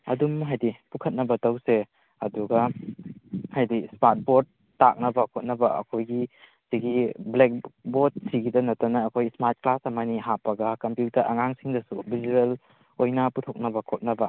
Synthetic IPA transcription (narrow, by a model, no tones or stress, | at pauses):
ɐ̰dumɦajdipukʰɐt̚nɐbɐtɐwse | ɐduɡɐ | hajdismat̚bod̚ːa̰k̚nɐbɐkʰot̚nɐbɐɐ̰kʰojɡi | siɡiblek̚bod̚siɡidɐnɐtɐnɐːkʰojsmaɾt̚klasɐmɐniɦapːɐɡɐkɐmpjutɐɾʔɐŋaŋsiŋdɐsubʱizuel | ojnɐputʰok̚nɐbɐkʰot̚nɐbɐ